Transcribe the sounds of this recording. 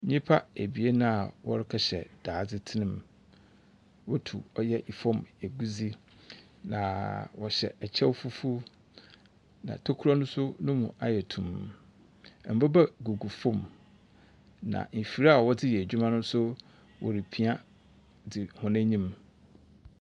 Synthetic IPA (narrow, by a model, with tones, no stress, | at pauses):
ɲĩ˦pʰa˦æ˨bi˨e˦nã˦a˨wɔ̰˦ɾɪ˦kʰa˨ɕɛ̰˨d̥aː˨d͡zɪ˦tʰɪ˦nɪ̃˦m | wɔ˦tʰṵ˨ɔ˦jɛ˦ʔi˨fɔ̃˦me˨ɡu˦d͡zi˦ | nã̰˨wɔ˨ɕɛ̰˨ɛ˨t͡ɕʰɛ˦fu˦fu˦ | nã̰˨tʰo˦kʰu˦ɾɔ˦nʊ̃˦sʊ˦nʊ̃˦mṵ̃˨ʔa˨jɛ˨tʰũ˨m˨ | m̩˨bɔ˦ba˦ɡu˨ɡu˨fɔ̃˦˨m | nã̰˨m̩˨fi˨ɾa˦a˨wɔ˦dɪ˦jɛ˨d͡ʑᶣu˦mã˦nʊ̃˦sʊ˦ | wʔɔ̰˨ɾi˨pʰi˦a˦ | dɪ˨hʊ̃˨næ̃˦ɲĩ˦m